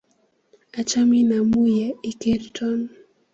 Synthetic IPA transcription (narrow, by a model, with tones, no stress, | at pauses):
a˨t͡ʃa˦mi˦na˨mu˦ja˨i˦ki˦ɾtɔ˦n